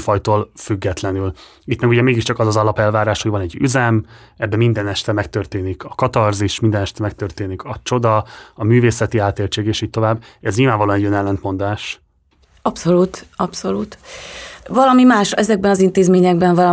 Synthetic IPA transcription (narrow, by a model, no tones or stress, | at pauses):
fɒjt̪oːlfyɡːɛt̪lɛnyl | it̪mɛkuɟɛmeːɡiʃt͡ʃɒkɒzɒzɒlɒpɛlvaːɾaːʃho̞ɟvɒnɛɟːy̰zɛmɛbːɛmind̪ɛnɛʃt̪ɛmɛkt̪ørt̪eːnikʰɒkɒt̪ɒrziʃmind̪ɛnɛʃt̪ɛmɛkt̪ørt̪eːnikʰɒt͡ʃo̞d̪ɒɒmyːveːsɛt̪iaːt̪eːlt͡ʃeːɡeːʃiːc̚t̪o̞vaːbː | ɛzɲilvaːɱvɒloːnɛɟønɛlːɛnt̪mo̞nd̪aːʃ | ɒpso̞luːt̪ɒpso̞luːt̪ | vɒlɒmimaːʃɛzɛɡ̚bɛnɒzint̪eːzmeːɲɛɡ̚bɛɱvɒlɒ